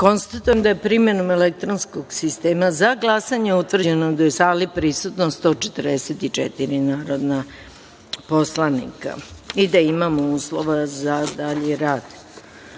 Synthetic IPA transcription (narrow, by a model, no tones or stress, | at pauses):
ko̞nst̪at̪ujemd̪ajepɾime̞nome̞lek̚t̪ɾonskoɡsist̪e̞ːmazaɡlˠasaɲeut̪ʋr̩d͡ʑenod̪ajesaːlipɾisut̪nost̪o̞ːt͡ʃet̪rd̪eset̪it͡ʂḛt̪iɾinaːɾo̞d̪na | po̞slˠanḭka̰id̪aimamouːsloʋazad̪aʎiɾaːd̪̥